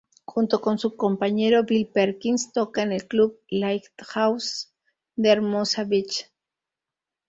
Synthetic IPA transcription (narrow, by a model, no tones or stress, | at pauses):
xunt̪okonsukompaɲeɾobilpeɾkinst̪okanelklublajkt̪haws | d̪eeɾmosaβit͡ʃ